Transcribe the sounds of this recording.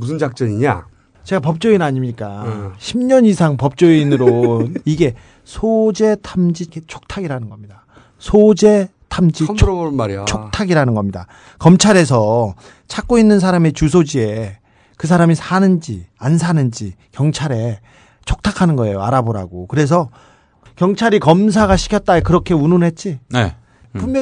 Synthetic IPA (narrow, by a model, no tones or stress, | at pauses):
musʰɯnd͡ʑak̚t͡ɕ͈ʌɲiɲa̰ | t͡ɕe̞ɡapʌp̚t͡ɕ͈oinaɲimɲik͈aɕʰimɲʌnisʰaŋpʌp̚t͡ɕ͈oinɯɾoiɡe̞ | sʰod͡ʑe̞tʰamd͡ʑiket͡ɕʰo̥k̚tʰaɡiɾanɯnɡʌmɲida | sʰod͡ʑe̞ | tʰamd͡ʑit͡ɕʰt͡ɕʰok̚tʰaɡiɾanɯnɡʌmɲida̰ | kʌmt͡ɕʰaɾe̞s̬ʰʌ | t͡ɕʰak̚k͈oinːɯns̬ʰaɾame̞t͡ɕus̬ʰod͡ʑie̞ | kɯs̬ʰaɾamisʰanɯnd͡ʑiansʰanɯnd͡ʑikjʌŋt͡ɕʰaɾe̞ | t͡ɕʰok̚tʰakʰanɯnɡʌe̞joa̰ɾaboɾa̰ɡokɯɾe̞s̬ʰʌ | kjʌŋt͡ɕʰaɾikʌms̬ʰaɡaɕʰi̥kʰjʌt̚t͈aekɯɾʌkʰe̞ununɦe̞t̚t͡ɕ͈ine | pumm